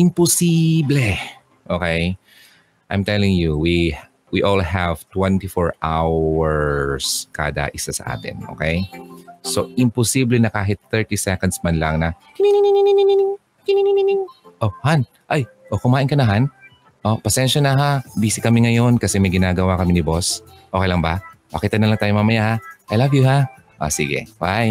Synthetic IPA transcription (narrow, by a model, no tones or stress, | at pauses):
ʔɪmposiblɛ | ʔoːkɛj | ʔa̰jmt̪ɛlɪŋjuwi | wiʔolhɛv̥t̪wɛnt̪ɪfoɹʔawɛɹska̰ːd̪ɐ̰ʔɪsasɐ̰ʔa̰ːt̪ɪ̰nʔo̰kejsoʔɪmposiblɛnɐkaːɦɪt̪̚θɛɹt̪isɛkɐnd̪smɐnlɐŋnɐ | kɪnininininnininɪŋ | kɪninininɪŋʔohan | ʔaj | ʔokʊmaːʔɪnkɐnɐɦan | ʔo̞pɐsɛnʃɐnɐɦabiːsɪkɐmɛŋɐjo̞nkɐsɛmɐjɡɪnaːɡɐwakɐmɪnɪbo̞s | ʔoːkejlɐŋbɐbɐkiːt̪ɐnɐlɐŋt̪aːjoŋmɐmɐjahaʔajlavjʊɦa | ʔo̰sḭɡɛ̰waj